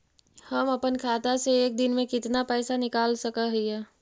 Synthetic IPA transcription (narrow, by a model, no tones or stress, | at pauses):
hɐmɐpənkʰaːt̪aseeːk̚d̪ɪnmẽkɪt̪napɛːsanɪkaːlsəkaɦiɛː